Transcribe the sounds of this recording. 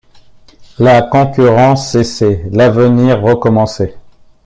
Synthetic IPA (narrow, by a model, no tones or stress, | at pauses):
lakɔ̃kʲyʁɑ̃sːeselavəniʁːəkɔmɑ̃se